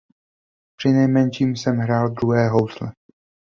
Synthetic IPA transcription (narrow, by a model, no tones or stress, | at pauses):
pr̥ɪnɛjmɛnʃiːmsɛmɦɾaːld̪ɾuɦɛːɦowslɛ